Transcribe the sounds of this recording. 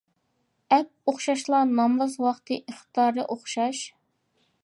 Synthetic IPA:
ɛp̚oχʃɑʃlˠɑɾnɑmvɑzwɑχt̪ʰɨʔiχt̪t̪ɑɾɨʔoχʃɑʃ

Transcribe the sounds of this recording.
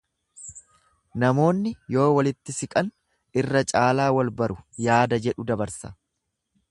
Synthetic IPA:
nɐmo̞ːnːɪjo̞ːwɐlɪt̪ːɪsɪkʼɐn | ɪrːɐt͡ʃʼaːlaːwɐlbɐɾʊjaːd̪ɐd͡ʒɛᶑʊd̪ɐbɐɾsɐ̥

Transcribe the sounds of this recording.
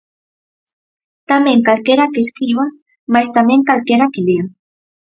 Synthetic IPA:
t̪ameŋkalkeɾakeskɾiβa | majst̪amẽŋkalkeɾakelea

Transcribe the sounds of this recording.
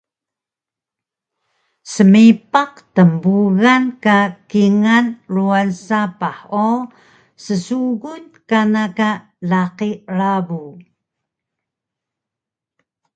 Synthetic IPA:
səmipaqtəmbuɣankakiŋanruansapaħo | səsuɣut̪̚kanaka | laqiɾabu

